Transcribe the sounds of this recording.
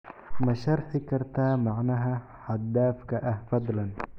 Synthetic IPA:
maʃɑɾˤħikɑɾˤt̪aːmaʕnaːɦa | ħad̪ːaːfkaʔafɑd̪ˤlan

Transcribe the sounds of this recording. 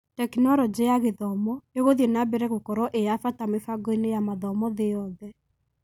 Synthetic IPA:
tɛknɔɾɔd͡ʒejaɣeðɔmɔeɣoðjɔnabɛɾɛɣokɔɾɔʔejafatamefaɡɔinejamaðɔmɔðeɔðɛ

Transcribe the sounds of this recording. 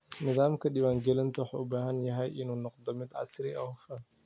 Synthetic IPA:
nɪðaːmkʰɐɗɪwaːŋɡɛlɪnt̪ʰɐwɑħɑ̰ːʊbaːɦɐnjɐɦɛjʔɪnuːnɔqd̪ɔmɪd̪ʕɑ̰sɾɪʔɐfɐ

